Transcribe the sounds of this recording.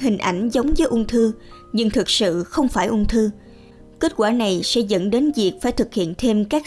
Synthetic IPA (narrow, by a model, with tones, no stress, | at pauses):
ɦï˨˩ŋ̟ʔa˧˩jŋ̟zə˨˦wŋ͡mvəː˨˦jʔʊ˧ŋ͡mt̪ʰɨ˧ | ɲɨ˧ŋt̪ʰɨ˨˩k̚sɨ̰˧˨xə˧wŋ͡mfaː˧˩jʔʊ˧ŋ͡mt̪ʰɨ˧ | ke˦˥t̚kwaː˧˩na˨˩jsɛ̰˧˥zə̰˧˥nɗe˨˦nvi˨˩ək̚faː˧˩jt̪ʰɨ˨˩k̚hḭ˧˨ənt̪ʰe˧mkaː˦˥k̚